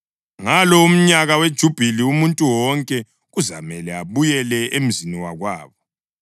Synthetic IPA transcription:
ŋalɔum̩ɲaɣawed̥ʒ̥ʱub̥ʱiliumuntʼuwɔŋkʼɛ | ɣuzamɛlɛaβujɛlɛʔem̩ziniwaɣwaːβɔ

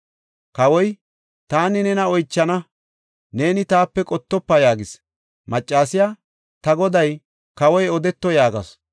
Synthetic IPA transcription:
kɐwɔj | t̪aːnɪnɛnɐɔjt͡ʃːɐnɐ | ne̞ːnɪt̪aːpːɛkʼɔt̪ːɔpːɐjaːɡɪs | mɐt͡ʃʼːaːsɪjaː | t̪ɐɡɔd̪ɐj | kɐwɔjɔd̪ɛt̪ːɔjaːɡɐ̰s

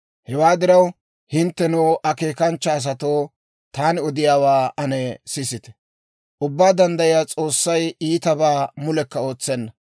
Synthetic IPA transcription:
hɛwaːd̪ɪɾɐw | hɪnt̪ːɛnɔːʔɐke̞ːkɐnt͡ʃːɐːs̬ɐt̪o̞ː | t̪aːnɪɔd̪ɪjaːwaːʔɐnɛsɪsɪt̪ɛ̥ | ʔʊbːaːd̪ɐnd̪ɐjɪjaːt͡sʼo̞ːsːɐjiːt̪ɐbaːmʊlɛkːɐo̞ːt͡sːɛnːɐ

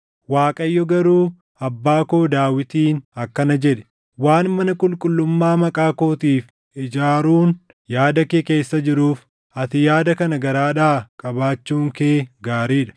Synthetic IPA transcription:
waːkʼɐjːɔɡɐɾuː | ɐbːaːkoːd̪aːwɪt̪iːnɐkːɐnɐd͡ʒɛᶑɛ̥ | waːnmɐnɐkʼʊlkʼʊlːʊmːaːmɐkʼaːko̞ːt̪iːf | ʔɪd͡ʒaːɾuːn | jaːd̪ɐkeke̞ːsːɐd͡ʒɪɾuːf | ʔɐt̪ɪjaːd̪ɐkɐnɐɡɐɾaːᶑaːkʼɐbaːt͡ʃːuːŋkeːɡaːɾiːᶑɐ̥

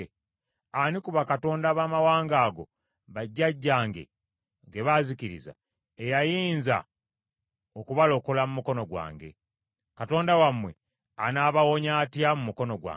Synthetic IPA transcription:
anikuβakato̞ːndaːβaːmawaːŋɡaːɡo̞̰ | βaɟːaɟːaːŋɡe̞̰ | ŋɡe̞βaziciɾḭza̰ | ejajiːnza̰ | okuβalo̞kolamumuko̞no̞ɡwa̰ːŋɡe̞̰ | kato̞ːndawamwe̞̰ | anaːβawo̞ɲaːtjamumuko̞no̞ɡwa̰

